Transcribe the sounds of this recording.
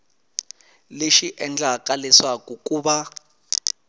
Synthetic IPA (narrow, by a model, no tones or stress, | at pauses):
leʃiʔɛnd͡ɮakʼalɛswak̬ʼukʼuːɓa